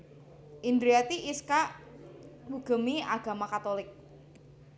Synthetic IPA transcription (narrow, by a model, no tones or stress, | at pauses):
ʔind̪ɾiat̪iʔiskaʔ | buɡ̥ə̤miaɡ̥a̤makat̪olɪk̚